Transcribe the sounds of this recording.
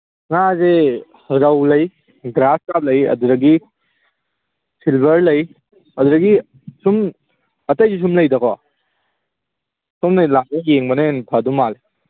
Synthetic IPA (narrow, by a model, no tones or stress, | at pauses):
ŋaze | ɾɐwlɐj | ɡɾaskap̚lɐjɐ̰duɾɐɡi | silbʱɐɾlɐj | ɐduɾɐɡi | sum | ɐtɐjzis̬umlɐjdɐkʰɔ | sumnalak̚nɐjeŋbɐnenpʰadumale